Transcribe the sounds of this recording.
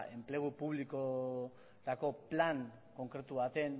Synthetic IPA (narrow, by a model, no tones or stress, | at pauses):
e̞mple̞ɣ̞upuβliko | t̪ako̞plaŋ | ko̞ŋkɾe̞t̪uβat̪e̞n